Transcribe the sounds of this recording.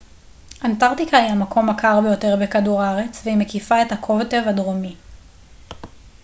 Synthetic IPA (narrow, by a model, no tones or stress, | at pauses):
ʔantaʁtikaijamakʰo̞mːakʰaʁbejo̞te̞ʁbekaduʁaʁe̞t͡sveimekifae̞thakʰo̞vte̞vadʁomi